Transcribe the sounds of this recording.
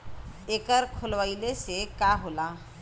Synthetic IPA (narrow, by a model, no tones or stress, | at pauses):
eːkəɾkʰolʋaːilesekaɦoːla